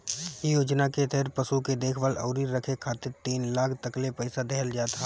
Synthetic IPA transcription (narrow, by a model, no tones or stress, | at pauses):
ijoːd͡ʒnaket̪ɛɦɾpɐsuked̪eːkʰʋalɐ̰ʊɾiɾɾɐkʰekʰaːt̪ɪɾt̪iːnlaːkʰt̪ɐklepɛɪsad̪ɛɦəld͡ʒaːt̪a